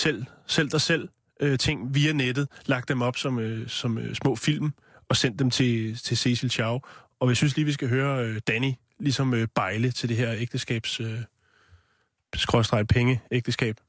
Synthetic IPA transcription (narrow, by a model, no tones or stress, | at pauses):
sel̰sel̰d̥ɑ̈sel̰ | øt͡sʰe̝ŋ̰ʋiːæned̥ð̩ˠlɑ̈ɡ̥̚d̥emɒ̽b̥sɒ̽møsɒ̽møsmɔ̰̽ːfil̰m | ɒ̽sen̰d̥ːemt͡sʰe̝t͡sʰe̝se̝silɕʰɑ̈ʊ | ɒ̽jisynsliːʋisɡ̥æɦøːɐød̥æni | lisɒ̽møb̥ɑ̈ɪlət͡sʰe̝ld̥e̝ɦɛɐ̰eɡ̥̚d̥əsɡ̥ɛ̰ːb̥sø | sɡ̥ʁɒ̽sd̥ʁɑ̈ɪpʰeŋəeɡ̥̚d̥əsɡ̥ɛ̰ːb̥